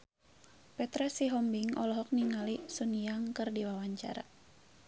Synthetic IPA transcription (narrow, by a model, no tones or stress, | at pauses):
pɛt̪ɾasiɦɔmbiŋɔ̰lɔɦɔk̚niŋalisuniaŋkɨrdiwawaɲt͡ʃa̰ɾa̰